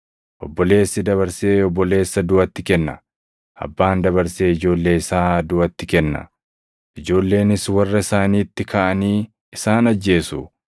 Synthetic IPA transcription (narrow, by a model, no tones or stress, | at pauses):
ʔɔbːɔle̞ːsːɪd̪ɐβɐɾseːɔbːɔle̞ːsːɐd̪ʊɐt̪ːɪkɛnːɐ | ɐ̰bːaːnd̪ɐβɐɾse̞ːɪd͡ʒo̞ːlːe̞ːɪsaːd̪ʊʔɐt̪ːɪkɛnːɐ̰ | ʔɪd͡ʒo̞ːlːe̞ːnɪswɐrːɐɪsaːniːt̪ːɪkʰaːʔɐniː | ɪsaːnɐd͡ʒːe̞ːsʊ